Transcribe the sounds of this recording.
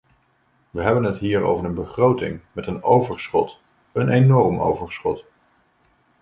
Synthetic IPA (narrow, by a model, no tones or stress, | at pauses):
ʋəɦɛbənɦətɦiːɹo̰wvəɹənbəχrowtɪ̰ŋmɛtənowvəɹsχɔt | ənenɔɹmo̰wvəɹsχɔt